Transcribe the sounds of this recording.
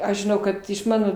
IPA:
ˈɐʃ ʒʲɪˈnɐʊ kɐt ɪʃ ˈmɑːnoː

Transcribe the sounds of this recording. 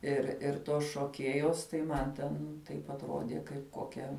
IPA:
ɪr ɪr ˈtoːs ʃoːˈkʲeːjoːs tɐɪ ˈmɐn tʲɛn ˈtɐɪp ɐtˈroːdʲeː kɐɪp ˈkoːkʲɛ

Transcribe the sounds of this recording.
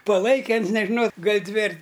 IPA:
pɐˈlˠɐɪkʲɛ ˈɐns nʲɛʒʲɪˈnɐʊ ˈɡɐlʲ ˈdʲʋʲɪ ɐr

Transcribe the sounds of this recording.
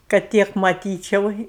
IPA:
kɐt ˈtʲiɛk mɐˈtʲiːt͡ʃʲɛʊ

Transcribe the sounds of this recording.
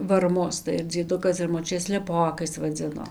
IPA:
ʋɐrˈmʊs tɐɪ ɐr d͡zʲiɛˈdʊkɐs ɐr moːˈt͡ʃʲʊtʲeː sʲlʲɛˈpoːkɐɪs ʋɐˈd͡zʲɪnoː

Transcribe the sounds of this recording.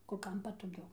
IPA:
kʊr ˈkɐm pɐtoːˈɡʲɛʊ

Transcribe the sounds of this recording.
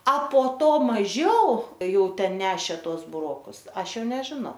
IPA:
ɐ poː ˈtoː mɐˈʒʲɛʊ ˈjɛʊ ˈtʲɛn ˈnʲæːʃʲeː ˈtuɔs bʊˈroːkʊs ˈɐʃ ˈjɛʊ nʲɛʒʲɪˈnɐʊ

